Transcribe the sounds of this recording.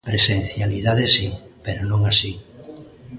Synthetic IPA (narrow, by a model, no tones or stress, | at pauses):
pɾesẽn̟θjaliðaðesipeɾonõŋasi